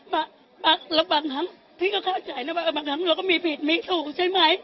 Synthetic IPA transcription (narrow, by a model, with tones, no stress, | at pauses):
maː˨˩ | ɓaː˨˩lə˨˩k͡p̚ɓaː˨˩nt̪ʰa˨˦ŋ | t̪ʰi˧˥kɔ˨˧˦kaː˧˥˩t͡ɕa˨˩jna˨˧˥ɓaː˨˩ɓaː˨˩nt̪a˨˦ŋlɔː˨˩kɔ˨˧˦mi˧˩pʰi˨˩t̚mi˧˥t̪u˧˩t͡ɕa˧jma˨˦j